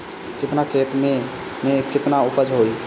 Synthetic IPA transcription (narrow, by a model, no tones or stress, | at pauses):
kɪt̪nakʰeːt̪me | mekɪt̪naʊpəd͡ʒɦoi